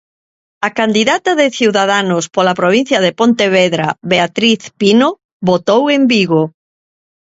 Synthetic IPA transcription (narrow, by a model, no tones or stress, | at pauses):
akand̪iðat̪ɐðɪθiwðaðanʊspolapɾoβ̞in̟θjɐðepont̪eβeðɾaβeat̪ɾiθpino | βot̪owembiɣo